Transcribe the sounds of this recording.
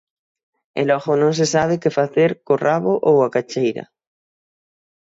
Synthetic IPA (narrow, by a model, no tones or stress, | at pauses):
ḛlɔɣonõŋs̬esaβ̞ekefaθeɾkoraβoʔowakat͡ʃejɾa̰